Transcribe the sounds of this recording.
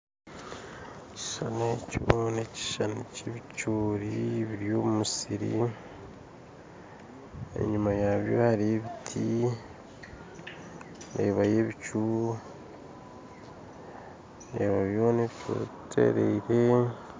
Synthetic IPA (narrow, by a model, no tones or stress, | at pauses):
eci̥ʃaneciβoneci̥ʃanoceβit͡ʃuːɾiβiɾijo̞ːmumusiɾḭ | ḛɲimajaβjo̞̰haɾieβitʰi | ɾeːβaje̞βit͡ʃuɾ | neːβaβjoneβit͡ʃo̰tʰḛɾeiɾe